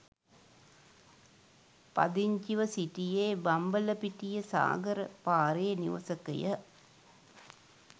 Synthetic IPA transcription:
pɐ̰d̪iɲt͡ʃiʋəsiʈijeːbɐmbələpiʈijəsa̰ːɡəɾəpaːɾejniʋɐ̰səkɐ̰jə

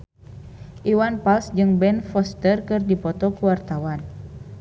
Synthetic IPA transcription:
ʔiwanpalsd͡ʒɨŋbɛnfɔst̪ərkɨrdipɔt̪ɔkuwart̪awan

